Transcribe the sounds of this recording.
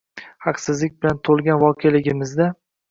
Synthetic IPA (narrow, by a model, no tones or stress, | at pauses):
hɑqsɪzlɪk̚ʲbɪlant̪ʰolˠɡʲanvɒkʰelɪɡʲɪmɪzd̪a